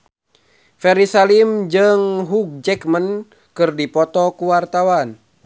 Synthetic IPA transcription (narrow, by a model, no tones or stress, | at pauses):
fɛɾisalimd͡ʒɨŋɦuk̚d͡ʒɛkmən | kɨrdipɔt̪ɔkuwart̪awan